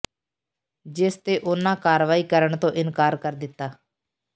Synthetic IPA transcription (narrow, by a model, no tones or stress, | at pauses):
d͡ʒɪst̪eːʔʊnãːkaːɾʋaːiːkəɾəɳt̪õːʔɪnkaːɾkəɾd̪ɪt̪ːaː